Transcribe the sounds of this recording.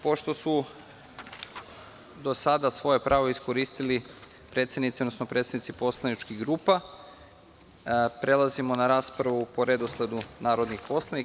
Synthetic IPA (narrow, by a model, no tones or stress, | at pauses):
po̞ʃt̪o̞su | d̪o̞sad̪asʋo̞je̞pɾʔaːʋo̞isko̞ɾiːst̪ili | pɾet̪sednit̪iod̪nosnopɾe̞t̪sed̪nit̪ipo̞slˠanit͡ʃkiɣɡɾuːpa | pɾe̞lˠazimo̞naɾaːspɾaʋupo̞ɾe̞d̪oslˠe̞d̪unaːɾo̞d̪nixpo̞slˠani